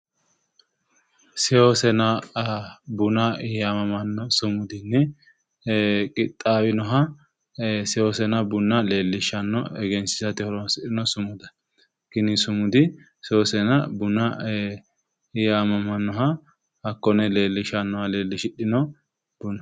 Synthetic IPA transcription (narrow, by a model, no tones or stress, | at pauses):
sɛoːsɛnɐ | bʊnɐɪjamɐmɐnːɔsʊmʊd̪ɪnːɛ | kʼɪt̪ʼːaːwɪnɔɦɐ | sɛoːsɛnɐbʊnːɐle̞ːlːɪʃɐnːɔɛɡɛnsɪsɐt̪ɪhɔɾɔnsɪᶑɪnɔsʊmʊd̪ɐ̥ | ɡ̥ɪnɪsʊmʊd̪ɪ | sɛosɛnɐbʊnɐ | ɪjamɐmɐnːɔɦɐ | hɐkːɔnɛle̞ːlːɪʃɐnːɔhɐle̞ːlːɪʃɪᶑɪnɔ | b̥ʊnɔ